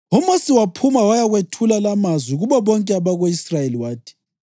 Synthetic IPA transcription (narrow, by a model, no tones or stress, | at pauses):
umosiwapʰumawajaɣwetʰulalamazwiɣuβɔβɔŋkʼɛaβaɣoisrajeliwaːtʰi̥